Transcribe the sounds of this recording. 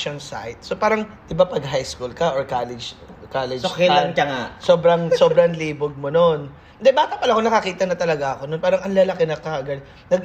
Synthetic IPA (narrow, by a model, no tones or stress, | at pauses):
ʃɐŋsa̰jt̪̚so̞paːɾɐŋʔ̪ɪbapɐɡ̚ɦajskulkɐʔoɹkalɪd͡ʒkalɛd͡ʒsokɪɐŋɐŋasoːbɾɐŋsoːbɾɐŋliːboɡ̚monon | nd̪ɛbaːt̪ɐpɐlaɐkonɐkɐkiːt̪ɐnɐt̪ɐlɐɡaʔɐko̞nonpaːɾɐŋʔɐŋlalɐkɪnɐkːɐɐɡɐd̪̚ | nɐɡ̚